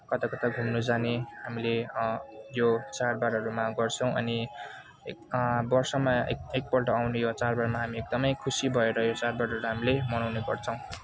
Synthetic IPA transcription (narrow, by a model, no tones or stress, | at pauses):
kʌt̪akʌt̪aɡʱumnud͡zanehamile | jot͡sarbaɾɦʌɾumaɡʌrt͡sʰʌw̃ʌ̰ni | ebʌrsʌmaḛek̚pʌrʈʌawnejot͡sarbarmaɦamiek̚d̪ʌmʌjkʰusibʱʌeɾʌjot͡sarbarʌɾuɦamilemʌnawneɡʌ̰rt͡sʰʌ̃w̃